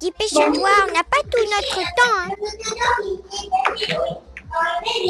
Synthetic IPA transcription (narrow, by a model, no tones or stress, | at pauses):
d̥̪ipeʃavwaɔ̃napat̪unɔt̪χət̪ɑ̃